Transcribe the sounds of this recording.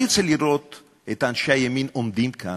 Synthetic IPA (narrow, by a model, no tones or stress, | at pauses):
et͡seliɾot̪ | et̪anʃeajeminomd̪imkʰa